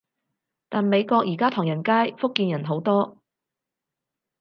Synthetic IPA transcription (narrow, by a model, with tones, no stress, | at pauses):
t̪aː˨nme˨˧jkɔː˧k̚jiː˨˩kaː˥t̪ʰʊ˨˩ŋjɐ˨˩nkaː˥jfʊ˥kːiː˧njɐ˨˩nɦo˨˥wt̪ɔː˥